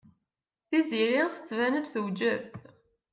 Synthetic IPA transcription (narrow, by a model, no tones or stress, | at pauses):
θiziɾiʁθə̥t͡sːvænəd̪θəwd͡ʒəð